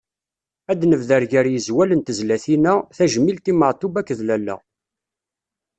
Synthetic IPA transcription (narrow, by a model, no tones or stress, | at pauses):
æd̪nəvðəɾʝæɾjəzwælənt̪əzlæθinæθæʒəmːilt̪iməʕt̪ubækːðlælːæ̰